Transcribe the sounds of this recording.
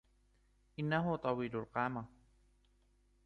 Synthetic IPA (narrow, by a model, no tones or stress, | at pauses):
ʔɪnːaɦʊt̪ˤɑwiːlʊlqɑːma